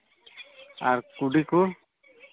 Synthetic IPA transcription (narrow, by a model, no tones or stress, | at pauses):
aɾkuɖiku